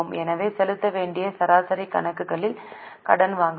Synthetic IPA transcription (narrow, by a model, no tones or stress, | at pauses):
ɯmɛnɐʋeːsɛlɯt̪ːɐʋeːɳɖɪjɐsɐɾaːsɐɾikɐ̰ɳɐkːɯɣɐɭɪl | kɐ̰ɽɐnʋaːŋɡ